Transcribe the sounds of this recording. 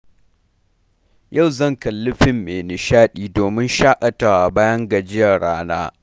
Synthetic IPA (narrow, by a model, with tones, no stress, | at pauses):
ja˦˨wzɐ˦˨ŋkɐ˨lːʊ˦ɸɪ˨mːeː˨nɪ˨ʃaː˦ɗiː˦˨doː˨mɪ˦nʃaː˦ʔɐ˨ta˨wa˨baː˦jɐ˦ŋɡɐ˨d͡ʒɪ˦jɐ˨ɽaː˦naː˦